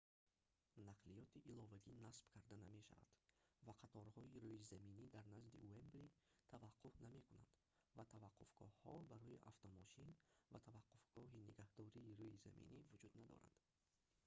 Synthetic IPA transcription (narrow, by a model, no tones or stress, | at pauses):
naqʰlijɔt̪ʰiʔilɔvaɡinasb̥kʰaɾd̪aname̞ʃa̰va̰d̪̥vaqʰat̪ʰɔɾhɔiɾuizaminid̪aɾnazd̪ḭuembɾit̪ʰavaqʰːufname̞kuna̰nd̪̥ | vat̪ʰavaqʰːufɡ̥ɔ̰hhɔbaɾɔjiʔaft̪ɔmɔʃinvat̪ʰavaqːufɡ̥ɔɦiniɡahd̪ɔɾiːɾuiza̰mḭnivud͡ʒud̪nad̪ɔ̰ɾa̰nd̪̥